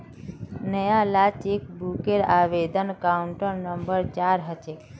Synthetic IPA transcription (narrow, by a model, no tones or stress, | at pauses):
nəjalat͡ʃek̚bukeɾaʋed̪ənkauɳʈəɾnəmbəɾt͡ʃaɾɦət͡ʃek